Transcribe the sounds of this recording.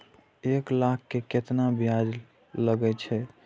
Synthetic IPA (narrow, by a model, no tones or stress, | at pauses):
eklakʰːeket̪nabjad͡ʒ | ləɡɛt͡ʃʰɛ